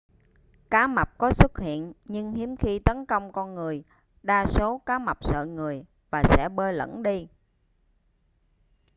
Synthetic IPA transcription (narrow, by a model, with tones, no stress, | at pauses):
kaː˨˦ma˨˩k͡p̚kɔ˨˦swt̚hḭ˧˨ənɲɨ˧ŋhi˨˦əmxi˧t̪ə˨˦nkə˧wŋ͡mkɔ˧nŋɨ˨˩əj | ɗaː˧so˨˦kaː˨˦ma˨˩k͡p̚sə̰ː˧˨ŋɨ˨˩əj | vaː˨˩sɛ̰˧˥ɓəː˧lə̰˧˥˩nɗi˧